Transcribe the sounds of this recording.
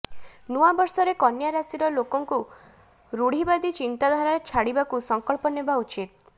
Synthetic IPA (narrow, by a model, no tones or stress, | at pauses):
nuabɔɾsɔɾekɔnjaɾasiɾɔlokɔŋku | ɾuɽ̤ibad̪it͡ʃint̪ad̪ʱaɾaet͡ʃʰaɽibakusɔŋkɔɭpɔnebaut͡ʃit̪̚